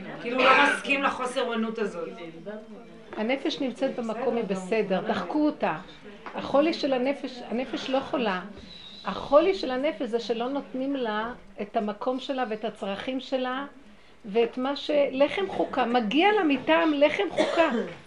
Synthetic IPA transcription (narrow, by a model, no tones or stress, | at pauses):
kilulomaskimleχo̞seʁonutazot | hane̞fe̞ʃnimt͡set̪̚bemako̞mibese̞de̞ʁdaχkuota | aχo̞liʃe̞lane̞feʃane̞fe̞ʃlo̞χola | aχoliʃe̞lane̞feʃzeʃe̞lo̞no̞tnimla | ethamakʰo̞mʃe̞laveetat͡sʁaχimʃe̞la | veːtmaʃe̞le̞χe̞mχukamaɡialamitaːmle̞χe̞mχuka